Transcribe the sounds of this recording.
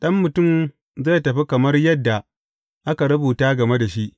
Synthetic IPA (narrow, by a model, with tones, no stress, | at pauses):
ɗɐ˦mːʊ˨tʊ˦˨m | ze˦˨tɐ˨ɸi˦kɐ˨mɐ˦rjɐ˦dːa˨ | ʔa˦ka˨ɾɐ˦buː˨taː˦ɡɐ˨me˦da˨ʃi˦ʔ